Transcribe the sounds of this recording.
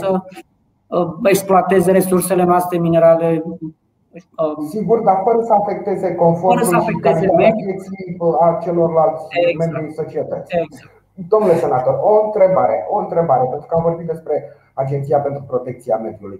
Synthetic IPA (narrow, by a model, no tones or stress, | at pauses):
ə | eksploat̪e̞ze̞ɾe̞surse̞le̞noast̪ɾemine̞ɾale̞ | siɡurd̪afəɾəsəafe̞k̚t̪e̞ze̞ko̞nfoəɾəəafekt̪eemed̪et̪siat͡ʃe̞lo̞rlalt̪sʲmembiuliso̞t͡ʃiet̪ət̪s | d̪o̞mnulesenat̪o̞roɨnt̪ɾe̞baɾeoɨnt̪ɾebaɾe̞pent̪ɾu̥kəamvo̞rbit̪d̪e̞spɾe̞ | ad͡ʒe̞nt̪sijapent̪ɾupɾo̞t̪e̞k̚t̪sia̰med̪juluj